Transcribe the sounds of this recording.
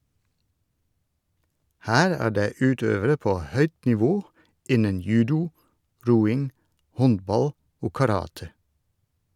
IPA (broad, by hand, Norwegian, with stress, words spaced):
ˈhæːɾ ˈæː ˈɖeː ˈʉːˌtøːʋəɾə ˈpoː ˈhœʏt nɪˈʋoː ˈɪnən ˈjʉːdʊ ˈɾuːɪŋ ˈhɔnbɑl ˈoː kɑˈɾɑːtə